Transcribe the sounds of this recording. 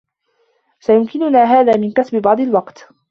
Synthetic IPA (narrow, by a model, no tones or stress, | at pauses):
sajʊmkɪnʊnaːɦaːðaːmɪnkasbɪbɑʕd̪ˤɑlwɑqt̪